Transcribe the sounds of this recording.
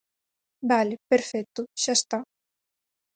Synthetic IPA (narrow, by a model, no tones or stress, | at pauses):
balɪpeɾfɛt̪ːʊʃast̪a